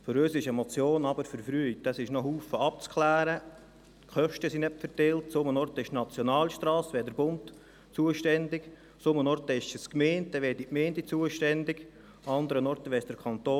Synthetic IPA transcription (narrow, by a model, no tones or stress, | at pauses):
føɾøːsɪʃəmɔt͡sjoːnɑbəɾfəɾfɾyːd̥ɑsɪʃnɔɦuːfəɑp̚t͡skχlæːɾə | kχœʃtəsinɛpfəɾtɛltsʊmənɔrt̪ɪʃnɑt͡sjɔnɑːlʃtɾɑːsʋɛːdəɾbʊnt | t͡suəʃtɛnd̪ɪk | sʊmənɔɾt̪əɪʃəskmeːnt̚dɛʋɛːdimeːndit͡suəʃtɛnd̪ɪɡ | ɑnd̪əɾənɔɾtəʋɛɪsd̥əɾkʰɑnt̪oː